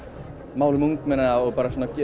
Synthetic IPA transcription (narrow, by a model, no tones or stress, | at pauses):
maːwlɪmuŋkmɛnaðaɔɣpaːɾasɔːnacɛ